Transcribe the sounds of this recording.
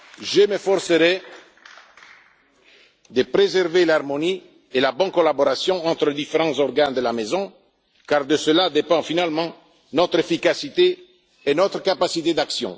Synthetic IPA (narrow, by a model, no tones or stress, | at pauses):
ʒəmefɔɾsəɾɛ | d̪əpɾezɛʁvelaʁmoni | elabɔ̃nkolaboɾasjɔ̃ɑ̃t̪ɾəled̪ifeʁɑ̃zɔrɡand̪əlamezɔ̃ | kaʁd̪əsəlad̪epɑ̃finalmɑ̃ | nɔt̪ɾefikasit̪eː | nɔt̪ɾəkapasit̪ed̪aksjɔ̰̃